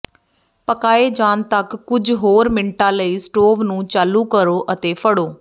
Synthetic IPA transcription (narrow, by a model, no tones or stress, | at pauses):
pəkaːeːd͡ʒaːnt̪əkːʊd͡ʒɦoːɾmɪɳʈãːləiːsʈoːʋnũːt͡ʃaːluːkəɾoːʔət̪eːpʰəɽoː